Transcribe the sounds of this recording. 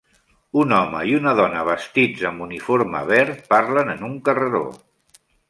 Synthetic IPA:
unɔmə̰iunəðɔnəβəst̪id͡zəmbunifoɾmə̰β̞ɛɾpaɾlənənuŋkərəðo̰

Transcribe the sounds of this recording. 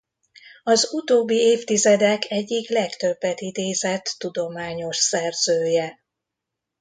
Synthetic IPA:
ɒzut̪oːbːieːft̪izɛd̪ɛkʰɛɟːiklɛkt̪ø̞bːɛt̪id̪eːzɛt̪ːud̪o̞maːɲo̞ʃsɛrz̥øːjɛ

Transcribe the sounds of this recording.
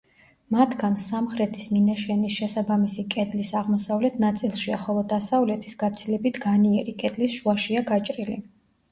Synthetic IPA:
mat̪ʰɡ̥ansamχɾɛt̪ʰisminaʃɛnisʃɛsabamisikʼɛd̪lisaʁmɔsavlɛt̪ʰnat̪sʼilˠʃiaχɔlˠɔd̪asavlɛt̪ʰisɡat̪sʰilɛbit̪ʰɡaniɛɾikʼɛd̪lisʃuaʃiaɡat͡ʃʼɾilḭ

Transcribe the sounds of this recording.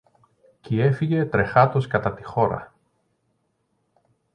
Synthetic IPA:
cie̞fiʝe̞t̪ɾe̞xɐt̪o̞skɐt̪ɐt̪ixo̞ɾɐ̰

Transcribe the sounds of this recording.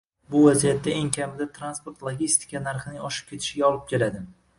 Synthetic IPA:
bʊvazijat̪ːaeŋkʲʰamɪd̪at̪ʰɾanspoɾt̪lˠoɡʲist̪ʰɪ̥kʰʲanaɾχɨnɪŋɒʃɪ̥p̚kʲʰe̞t̪ʰɪ̥ʃɪɡʲaɒlˠɪp̚kʲe̞lad̪ɪ

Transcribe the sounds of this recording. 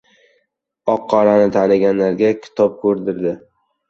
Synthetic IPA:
ɒqʰːɒɾanɪt̪ʰanɪɡʲanlaɾɡʲakʲʰɪ̥t̪ʰɒp̚kʰɵɾd̪ɪɾd̪ɪ

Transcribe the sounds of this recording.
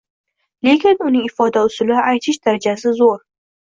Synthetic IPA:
le̞kʲɪnʊnɪŋɪfɒd̪aʊsʊlɪajt̪ʰɪʃd̪aɾad͡ʒasɪzoɾ

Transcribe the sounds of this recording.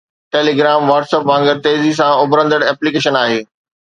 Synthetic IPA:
ʈeːliɡɾaːmʋaːʈseːpʋãːŋɡəɾt̪eːzisãʊbɾə̃nd̪əɽɛːplikeːʃənaːɦeː

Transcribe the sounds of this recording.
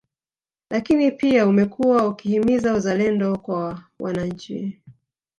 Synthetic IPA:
lakinipiaumɛkʰuwaukihimizauzalɛndɔkwa | wʔa̰naɲ̩t͡ʃḭ

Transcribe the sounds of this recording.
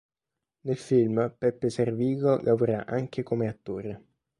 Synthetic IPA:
nelfilmpɛpːeserviːɡolʔavoɾaʔaŋk̟ekomeat̪ːoːɾe

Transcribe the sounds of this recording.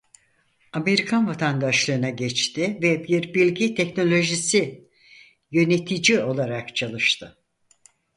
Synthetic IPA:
ame̞ɾikʰanvat̪ʰand̪aʃlˠɯɯnaɟɛt͡ʃt̪ʰɪvɛbiɾbilʲɟit̪ʰɛcno̞lʲo̞ʒisi | jø̞ne̞t̪ʰid͡ʒio̞lˠaɾakt͡ʃʰalˠɯʃt̪ʰɯ

